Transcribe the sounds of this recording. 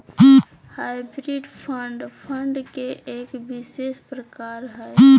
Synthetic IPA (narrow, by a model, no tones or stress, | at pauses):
haːɪbɾiɖpʰəɳɖpʰəɳɖkeʔeːkbɪʃeʃpɾəkaːɾɦɛː